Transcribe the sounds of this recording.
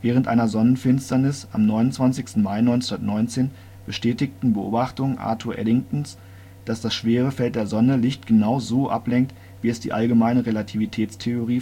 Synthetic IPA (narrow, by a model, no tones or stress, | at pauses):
vɛːʁ̞əntʔa̰ɪnɐzɔnənfɪnstɐnɪsa̰mnɔʏnʊntt͡sv̥ansɪçstn̩maɪnɔʏnt͡snndɐtnɔʏnt͡seːn | b̥əʃtɛːtɪktn̩bəʔo̰ːbaχtʊŋənʔa̰ːtʰuɐʔɛ̰dɪŋtn̩s | d̥asd̥asʃv̥eːʁ̞əfɛlt̚d̥eːɐzɔnəlɪçtɡ̥ənaʊzoːʔa̰plɛŋk̚t | v̥iːɛsd̥ḭːʔalɡəmaɪnəʁelatʰivitʰɛːt͡stʰeoʁiː